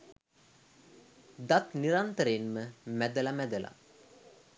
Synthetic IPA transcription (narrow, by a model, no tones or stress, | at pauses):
d̪at̪niɾant̪əɾeːnməmæd̪əlamæd̪əla̰